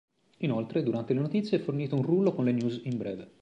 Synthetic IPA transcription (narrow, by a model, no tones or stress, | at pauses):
inolt̪ɾed̪uɾant̪elenot̪it̪sːjeɛfːorniːt̪ounrulːokonlenjuːzimbɾɛ̰ːve